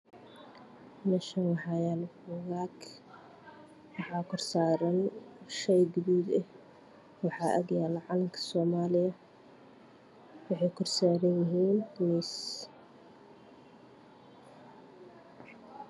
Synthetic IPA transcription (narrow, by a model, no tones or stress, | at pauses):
nɐʃɐnwɑħɑjanʊɣaːk | wɑħɑːkʰɔrsaːɾɐnʃɛjɡʊduːd̪ɛh | wɑħɑʔɐ̰ɡjaːlɐʕɑlɐmkʰɐ̥sɔːmaːlɪjɐ | wɑħɑjkʰɔrsaːɾɐnjɪɦiːnniːs